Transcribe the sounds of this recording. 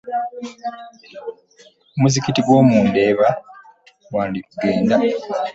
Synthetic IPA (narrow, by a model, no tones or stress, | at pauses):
omuzikitiɡwo̞ːmuːnde̞ːβa | waːndikuɡe̞ːnda